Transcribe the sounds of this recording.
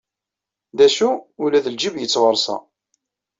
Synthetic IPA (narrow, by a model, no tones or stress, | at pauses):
ðæʃuulæðəld͡ʒivjət͡sːʁəɾˤsɑ̰